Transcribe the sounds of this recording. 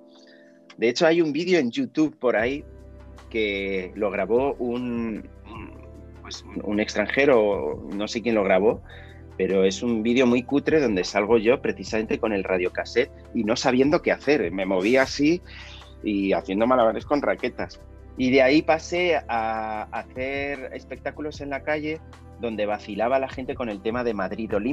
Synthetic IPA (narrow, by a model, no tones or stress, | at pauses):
d̪e̞et͡ʃo̞ajumbiðjo̞e̞nʝut̪uβpo̞ɾaike̞lo̞ɣ̞ɾaβo̞unun | pwe̞sunṵne̞kst̪ɾaŋxe̞ɾo̞̰no̞se̞kje̞nlo̞ɣ̞ɾaβ̞o̞ | pe̞ɾo̞e̞sumbiðjo̞mwijkut̪ɾe̞ðo̞nd̪e̞salɣ̞o̞ʝo̞pɾe̞θisamẽ̞nt̪e̞ko̞ne̞lraðjo̞kase̞t̪̚ | ino̞saβ̞je̞nd̪o̞ke̞aθe̞ɾme̞mo̞β̞iasi | iaθje̞nd̪o̞malamaɾe̞sko̞nrake̞t̪as | ið̞eaipase̞aːθe̞ɾe̞̰spe̞k̚t̪akulo̞se̞nlakaʝe̞ | ðo̞nd̪e̞β̞aθilaβalaxe̞nt̪e̞ko̞ne̞lt̪e̞maðe̞maðɾiðo̞li